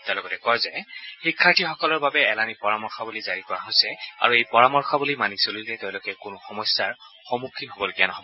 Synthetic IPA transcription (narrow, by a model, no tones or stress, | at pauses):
tɛ̃lɔɡɔtɛkɔɹzɛxikʰːaɹtʰixɔkɔlɔɹbabɛːlanipɔɹamɔɹxɔbulizaɹikɔɹaɦojsɛa̰ɹuejpɔɹamɔɹxʰɔbulimanisolilɛteʊ̃lʊkɛkʊnʊxɔmɔsjaɹ | xɔmukʰːiɦobɔloɡijanɔɦɔbɔ